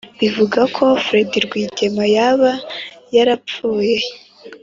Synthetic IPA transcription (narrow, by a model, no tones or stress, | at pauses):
βivuɡakʰo̞fɾe̞diɾɡwiːɟe̞majaβajaɾap͡fuːje̞